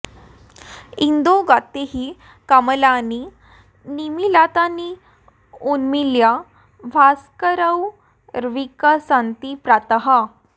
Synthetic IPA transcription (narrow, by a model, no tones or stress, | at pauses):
ind̪oɡat̪eɦiː | kaməlani | nimilat̪ani | unmilja | ʋʱaskəɾəw | ɾʋikəsãnt̪ipɾat̪əɦa